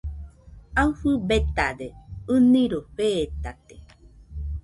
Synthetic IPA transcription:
auɸɨbet̪ad̪eɨnĩɾoɸeːt̪at̪e

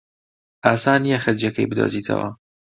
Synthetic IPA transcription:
ʔaːsaːnijɐxɐɾd͡ʒɛkɐjbɨd̪o̰ːziːt̪ʰɐ̰wɐ̰

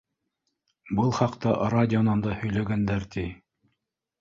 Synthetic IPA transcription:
bɤlˠχɑqt̪ɑradʲɪonɑnd̪ɑhɵ̆jlæɡænd̪æɾt̪i

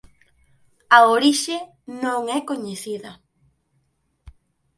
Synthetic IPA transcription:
aoɾiʃe | nõŋekoɲeθiðɐ

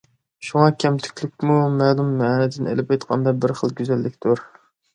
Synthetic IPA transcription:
ʃuŋɑkʲʰɛmt̪ʰy̥kʲʰlyk̚ʲmumælˠumːɛnɪd̪ɪnḛlɪpɑjt̪qʰɑ̰nd̪ɑbɪɾχəlˠɡʲyzælːɪkʲt̪ʰuɾ

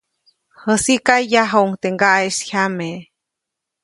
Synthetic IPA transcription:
həsikajːaɦouŋt̪eŋɡaʔeshʲame

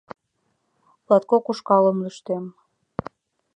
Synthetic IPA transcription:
lɑt̪̚kokuʃkɑləmlyʃt̪em

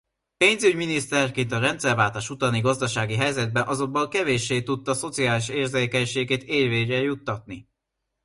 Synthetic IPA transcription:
peːnzyɟminist̪ɛrkeːnt̪ɒɾɛnt̪sɛrvaːlt̪aːʃut̪ɒniɡɒzd̪ɒʃaːɡiɦɛjzɛd̪̚bɛnʔɒzo̞bbolkɛveːʃːeːt̪ut̪ːɒso̞t̪sijaːliʃeːrzeːkɛɲʃeːɡeːt̪eːrveːɛjut̪ːɒt̪̚ni

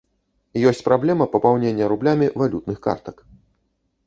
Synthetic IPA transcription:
jɔsʲt͡sʲpɾablʲɛmɐpɐpawnʲenʲːɐɾublʲamʲivalʲut̪nɨxka̰rt̪ɐk

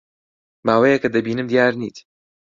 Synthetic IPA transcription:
maːwejekɐd̪ɐbiːnɨmd̪ijaːɾnḭːt̪

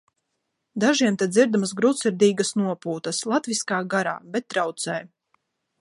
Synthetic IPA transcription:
d̪aʒiɛmt̪ɛd̪zʲiɾd̪amasɡɾut̪siɾd̪iːɡasnuɔpuːt̪ɐslˠat̪viskaːɡaɾa̰ːbɛt̪̚ːɾawt̪sɛj

